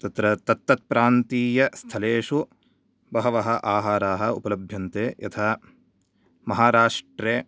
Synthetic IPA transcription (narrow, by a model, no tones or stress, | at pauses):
t̪ɐt̪ɾɐt̪ɐt̪ːɐt̪̚pɾaːnt̪iːjɐst̪ʰɐleːʂu | bɐɦɐʋɐɦɐʔaːɦaːɾaːɦɐ̆ṵpɐlɐbʱjɐnt̪eːjɐ̰t̪ʰaː | mɐɦaːɾaːʂʈɾeː